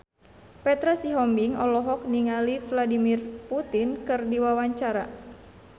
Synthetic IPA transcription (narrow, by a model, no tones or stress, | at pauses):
pɛt̪ɾasiɦɔmbiŋɔ̰lɔɦɔk̚niŋalivladimirput̪inkɨrdiwawaɲt͡ʃaɾa